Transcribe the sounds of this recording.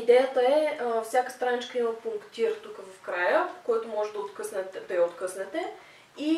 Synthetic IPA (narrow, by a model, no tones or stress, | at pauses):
id̪ɛjət̪əɛfsʲjakə̥st̪ɾanit͡ʃkəiməpuŋkt̪iɾt̪ukəvɐfkɾajəkojat̪ʊmɔʒɛd̪ɐot̪kɤsnɛt̪ɛd̪ɐjəot̪kɤsnɛt̪ɛ | i